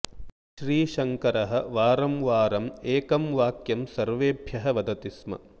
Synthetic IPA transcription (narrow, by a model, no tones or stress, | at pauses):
ʃɾiːʃɐŋkɐɾɐɦɐ̆ʋaːɾɐmʋaːɾɐmeːkɐmʋaːkjɐmsɐɾʋeːbʱjɐɦɐʋɐd̪ɐt̪ismɐ̰